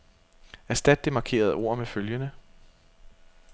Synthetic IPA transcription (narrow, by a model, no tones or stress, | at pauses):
æɐsd̥æd̥ːe̝mɑ̈kʰe̝̰ːɐð̞̩ˠo̝̰ːɐ̰meføljənə